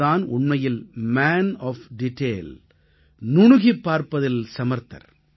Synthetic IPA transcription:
aːnʊɳmɐjɪlmaːnɔːfɖɪʈːeːl | nʊɳʊɣipːaːɾpɐðɪlsɐmɐɾt̪ɐ̰ɾ

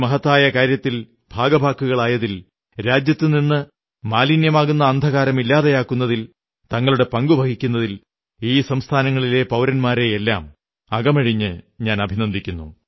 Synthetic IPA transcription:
mɐɦɐt̪ːaːjɐkaːɾjɐt̪ːil | bʱaːɡɐbʱaːkːuɣɐɭaːjɐðil | ɾaːd͡ʑjɐt̪ːɨninːɨ | maːlinjɐmaːɣunːɐːnd̪ʱɐɣaːɾɐmilːaːðejaːkːunːɐðil | t̪ɐŋːɐɭuɽe̞pɐŋɡubʱɐɡikʲːunːɐðil | iːsɐmst̪ʰaːnɐŋːɐɭile̞pɐwɾɐnmaːɾe̞jelːa̰ːm | ɐɣɐmɐɻiɲːɨɲaːnɐbʱinɐnd̪ʱikʲːunːṵ

